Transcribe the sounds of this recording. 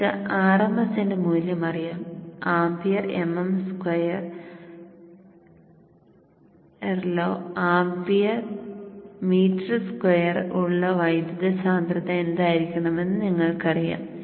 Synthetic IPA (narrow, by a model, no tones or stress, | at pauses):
ɨaːrɐmɐsendemuːljɐmɐrijaːmaːmbijɐrḛmɐmskwɐjɐr | erloːaːmbijɐr | miːtrɨskwɐjɐruɭːɐʋɐjd̪jɐðɐsaːnd̪rɐðɐe̞nd̪aːjiɾikʲːuɳɐme̞nːɨniŋːɐɭkɐrija̰ːm